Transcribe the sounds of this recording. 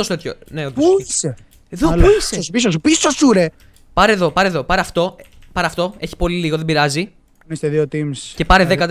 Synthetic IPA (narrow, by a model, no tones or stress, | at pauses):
osot̪t̪ço̰neot̪pise | eðopuisespisos̬upisosuɾe | pɐɾeðo̞pɐɾeðo̞pɐɾeɐft̪o̞pɐɾeɐft̪o̞e̞çi̥po̞liliɣoðebiɾɐzi | nest̪eðiot̪imsce̞pɐɾeðekɐt̪